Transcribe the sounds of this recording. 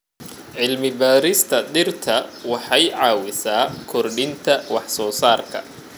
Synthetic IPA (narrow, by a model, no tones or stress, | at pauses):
ʕɪlmɪbaːɾɪst̪ʰɐd̪ɪrt̪ʰɐwɑħɑjʕɑːwɪsaːkʰɔrɖɪnt̪ʰɐwɑħsɔːsaːrkʰɐ̰